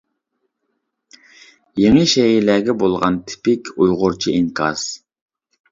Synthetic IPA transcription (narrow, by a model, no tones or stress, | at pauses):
jeŋɨʃɛɦilɛɡʲɛbolˠʁɑ̰nt̪ʰɪ̥pɪkʲʰujʁʊɾt͡ʃʰiʔiŋkʰɑ̰z̥